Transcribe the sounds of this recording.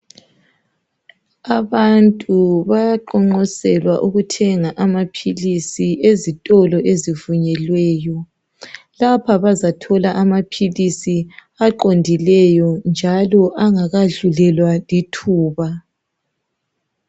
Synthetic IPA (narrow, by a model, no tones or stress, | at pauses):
aβantʼuβajaǃɔŋ͡ǃɔsɛlwaʔuɣutʰɛŋaʔamapʰilisiʔezitʼɔlɔʔezivuɲɛlwɛːjɔ | lapʰaβazatʰɔlaʔamapʰilisi | aǃondʱilɛjɔnd͡ʒʱalɔʔaŋaɣaɮulɛlwalitʰuːβa